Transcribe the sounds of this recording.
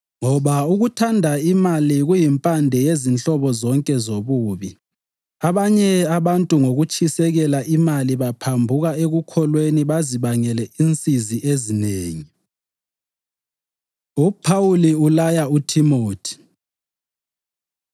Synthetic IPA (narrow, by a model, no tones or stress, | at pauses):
ŋɔβauɣutʰandʱaimaliɣujimpʼandʱɛjezint͡ɬʼɔβɔzɔŋkʼɛzoβuːβi | aβaɲɛaβantʼuŋoɣut͡ʃʰʼisɛɣɛlaʔimaliβapʰambʱuɣaeɣukʰɔlweniβaziβaŋɛlɛint͡sʼiziʔezineːŋi | upʰauliulajautʰimoːtʰi̥